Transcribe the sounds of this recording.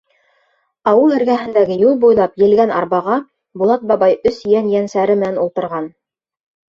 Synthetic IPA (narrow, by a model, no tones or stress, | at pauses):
ɑwɤlˠɘ̆ɾɡæɦɘ̆nd̪æɡɘjulˠbujlˠɑpjɘ̆lɡænɑ̰ɾbɑʁɑ | bulˠɑt̪̚bɑbɑjɵsjænjænsæɾɘmɘ̆nænulˠt̪ɤ̆ɾʁɑn